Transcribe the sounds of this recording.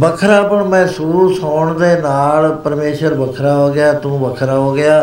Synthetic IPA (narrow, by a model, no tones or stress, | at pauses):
bəkʰɾaːpəɳmɛ̃ːsuːsɦoːɳd̪eːnaːlpəɾmeːʃəɾbəkʰɾaːɦoːɡɪjaːt̪ũːbəkʰɾaːɦoːɡɪjaː